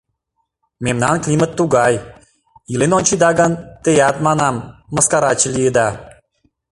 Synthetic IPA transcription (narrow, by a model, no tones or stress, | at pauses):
memnɑnklʲimət̪ːuɡɑj | ilenonʲt͡ɕid̪ɑɡɑnt̪ejɑt̪mɑnɑmːə̆skɑɾɑt͡ɕəlʲijəd̪ɑ